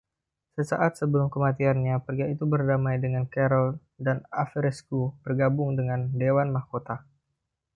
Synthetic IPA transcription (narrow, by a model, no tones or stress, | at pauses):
səsa̰ʔat̪̚səbəlʊmkəmat̪̬ianɲapərɡait̪ubərdamajdəŋankaɾɔl | danafəɾɛskubərɡabʊŋdəŋandewanmahkot̪a